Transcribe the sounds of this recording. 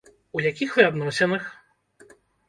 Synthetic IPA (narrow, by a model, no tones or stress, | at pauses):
ujakʲixvɨad̪nɔsʲɛnɨx